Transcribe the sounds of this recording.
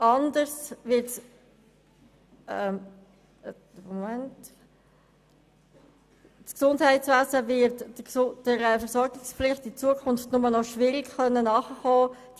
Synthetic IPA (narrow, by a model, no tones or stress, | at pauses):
ʔɑndəɾsvɪts | ɛm | momɛnt | sksʊndhæɪtt͡svæːzəvɪɾtd̥əɾəfəsɔɾɡɪkspflɪχtit͡suəkʰʊnftnʊmənɔʃʋɪɾiɡχœnːənɑːχəχɔː | d̥